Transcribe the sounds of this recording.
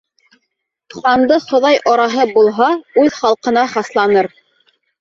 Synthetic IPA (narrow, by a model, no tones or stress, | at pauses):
t̪uχɑnd̪ɤχŏðɑjʔɑɾɑɦɤbulˠɦɑʉðχɑlˠqɤ̆nɑχɑslˠɑnɤɾ